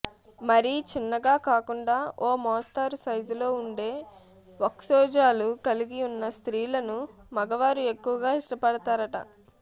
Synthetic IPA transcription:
mɐɾit͡ʃinːɐɡaːkaːkuɳɖaːoːmɔːst̪aːɾusɐjd͡ʒulo̞ːuɳɖe̞ː | ʋɐksɔːd͡ʒaːlukɐliɡiunːɐst̪ɾiːlɐnumɐɡɐʋaːɾue̞kːuʋɐɡaːiʂʈɐpɐɽɐt̪aːɾɐʈɐ̰

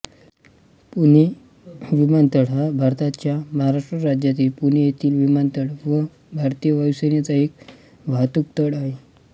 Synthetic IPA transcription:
pune | ʋimant̪əɽɦabʱaɾt̪at͡ɕjaməɦaɾaʂʈɾəɾad͡ʑjat̪iːlpunejet̪ʰiːlʋimant̪əɽʋə | bʱaɾt̪ijəʋəʋsənjat͡saek | ʋat̪uk̚t̪əɽaɦe

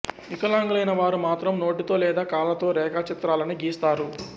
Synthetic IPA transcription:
ikɐlaːŋɡulɐjnɐʋaːɾumaːt̪ɾɐmno̞ːʈit̪o̞ːlɛːd̪aːkaːlɐt̪o̞ːɾɛːkaːt͡ʃit̪ɾaːlɐniɡiːst̪aːɾu

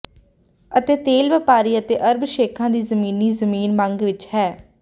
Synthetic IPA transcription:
ət̪eːt̪eːlʋəpaːɾiːət̪eːʔəɾbʃeːkʰãːd̪iːzəmiːniːzəmiːnmə̃ŋɡʋɪt͡ʃhɛː

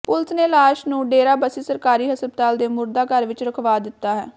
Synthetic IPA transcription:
pʊlsneːlaːʃnũːɖeːɾaːbəsiːsəɾkaːɾiːɦəsbət̪aːld̪eːmʊɾd̪aːkəɾʋɪt͡ʃɾəkʰʋaːd̪ɪt̪ːaːɦɛː

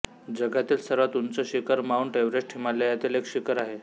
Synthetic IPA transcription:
d͡zəɡʱat̪iːlsəɾʋat̪umt͡səɕikəɾmauɳʈeʋɾed͡ʑʈʰimaljəjat̪iːlekɕikəɾaɦe

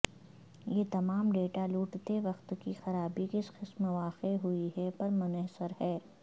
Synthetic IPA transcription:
jeːt̪ɐmaːmɖeːʈaluːʈt̪eʋɐqt̪kixɐɾaːbikɪsxɪsmɐʋaːqeɦuiɦɛpɐɾmʊnəɦsəɾhɛː

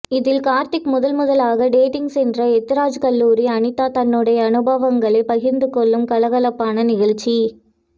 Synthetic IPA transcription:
ɪðɪlkaːɾt̪ɪkmʊðɐlmʊðɐlaːɣɐɖeːʈɪŋɡsɛndrɐɛt̪ːɪɾaːd͡ʒkɐlːuːɾiɐnɪt̪aːt̪ɐnːɯɽɐjɐːnɯbɐʋɐŋɡɐɭɐɪpɐɣɪɾnd̪ɯkɔɭːɯmkɐlɐɣɐlɐpːaːnɐnɪɣɐɭt͡ʃːi

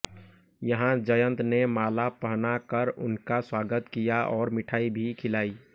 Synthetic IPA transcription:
jɐɦãd͡ʒəjə̃nt̪nemaːlapəɦnakəɾʊ̰nkaswaːɡət̪kijaʔɔːɾmɪʈʰaːibʱikʰɪlaːiː

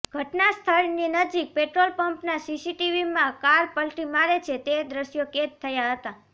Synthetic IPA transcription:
ɡ̥ʱəʈnast̪ʰəɭninəd͡ʒik̚peʈɾolpəmpnasisiʈiʋimãkaɾpəlʈimaɾet͡ʃʰet̪ed̪ɾəʃjoket̪ʰːəjaɦət̪a

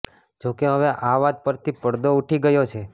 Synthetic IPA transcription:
d͡ʒokeɦəʋeʔaʋad̪̚pəɾt̪ʰipəɽd̪ouʈʰiɡəjot͡ʃʰe

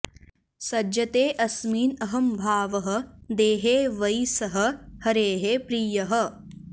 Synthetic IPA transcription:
sɐd͡ʒɐt̪eːʔɐsmiːnɐɦɐmbʱaːʋɐɦɐ̆d̪eːɦeːʋɐjsɐɦɐ̆hɐɾeːɦepɾiːjɐɦɐ̆

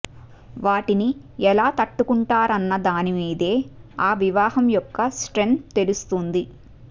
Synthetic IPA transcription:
ʋaːʈini | ɛlaːt̪ɐʈːukuɳʈaːɾɐnːɐd̪aːnimiːd̪e̞ːaːʋiʋaːɦɐmjɔkːɐsʈɾe̞nt̪̚t̪e̞lust̪und̪i

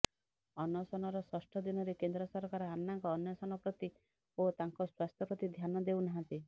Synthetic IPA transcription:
ɔnɔsɔnɔɾɔswɔsʈʰɔd̪inɔɾekend̪ɾɔsɔɾkaɾɔamːaŋkɔːnjɔsɔnɔpɾɔt̪i | ot̪aŋkɔswast̪ɔpɾɔt̪id̪ʱjanɔd̪ewnaɦãnt̪i

